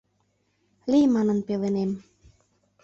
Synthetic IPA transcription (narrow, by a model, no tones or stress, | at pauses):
limɑnɤ̆npelenem